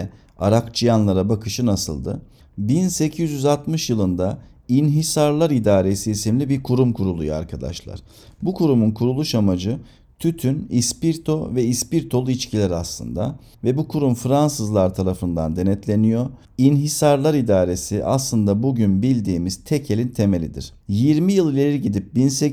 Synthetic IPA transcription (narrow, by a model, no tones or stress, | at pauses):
a̰ɾakt͡ʃʰɯjanlˠaɾabakʰɯʃɯnasɯ̰lˠd̪ɯ̰ | binse̞cʰizjyzalt̪mɯʃjɯlˠɯnd̪a | inɦisaɾlˠaɾid̪aːɾe̞siisimlʲibiɾkʰuɾumkʰuɾulˠṵjoa̰ɾkʰad̪a̰ʃlˠa̰ɾ̥ | bukʰuɾumunkʰuɾulˠuʃamad͡ʒɯ | t̪ʰyt̪ʰynispiɾt̪ʰo̞vɛispiɾt̪ʰo̞lˠuit͡ʃcʰilʲɛɾaslˠɯ̰nd̪a̰ | vɛbukʰuɾumfɾansɯzlˠaɾt̪ʰaɾafɯnd̪a̰nd̪e̞nɛt̪ʰlʲe̞nijo̞ | inɦisaɾlˠaɾid̪aːɾe̞siʔa̰slˠɯnd̪abuɟynbilʲd̪iːmiz̥t̪ʰɛcʰe̞lʲint̪ʰe̞me̞lʲḭd̪ḭɾ̥jiɾmijɯlˠɯlʲeɾɾiɟid̪ip̚binse